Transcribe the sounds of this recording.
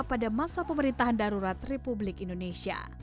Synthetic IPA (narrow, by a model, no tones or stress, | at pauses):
padamasapəməɾint̪aɦandaɾuɾat̪republɪkindonesia̰